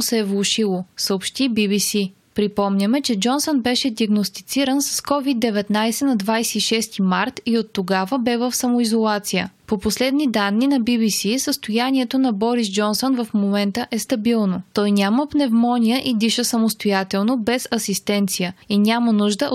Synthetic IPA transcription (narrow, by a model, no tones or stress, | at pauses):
sɛːvlˠoʃilˠosəopʃt̪ibibisi | pɾipɔmnʲəmɛt͡ʃɛd͡ʒɔnsonbɛʃɛd̪ʲiəɡnost̪it̪siɾənsɐ̥skɔvid̪ːɛvɛt̪najsɛnɐd̪vajsɛiʃɛst̪imaɾt̪iot̪ːoɡavəbɛvəfsɐmoizolˠat̪sijə̰poposlɛd̪nid̪anːinɐbibisisəst̪ojaniɛt̪onɐbɔɾisd͡ʒɔnsonvɐfmomɛnt̪əʔɛst̪ɐbilˠnot̪ɔjnʲaməpnɛvmɔnʲijəʔid̪iʃəsɐmost̪ojat̪ɛlˠnobɛsɐsist̪ɛnt̪sijəinʲamənuʒd̪əʔ